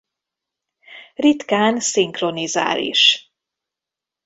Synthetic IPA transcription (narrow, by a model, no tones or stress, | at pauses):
rit̪kaːnsiŋkro̞niza̰ːlḭʃ